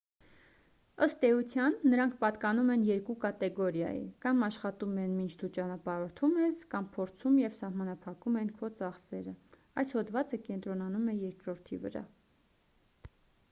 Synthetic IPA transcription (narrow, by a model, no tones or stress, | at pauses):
əst̪ɛut͡sʰjɑnːəɾɑŋkʰpɑt̪kɑnumɛnjɛɾkukɑt̪ɛɡɔɾjɑ̰jḭkɑmɑʃχɑt̪umɛnmint͡ʃʰd̪ut͡ʃɑnɑpɑɾɔt̪ʰumɛskɑmpʰɔɾt͡sʰumjɛvsɑhmɑnɑpʰɑkumɛnkʰɔt͡sɑχsɛɾə | ɑjshɔd̪vɑt͡səkɛnt̪ɾɔnɑnumɛjɛɾkɾɔɾt̪ʰivə̰ɾɑ̰